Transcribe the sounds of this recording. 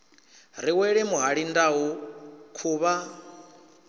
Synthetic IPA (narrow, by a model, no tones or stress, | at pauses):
ɾ̤iwɛɺɛmuɦaɺindaukʰuːβa